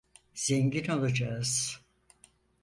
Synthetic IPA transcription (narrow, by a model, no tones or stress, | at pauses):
z̥eɲɟino̞lˠad͡ʒaɯz̥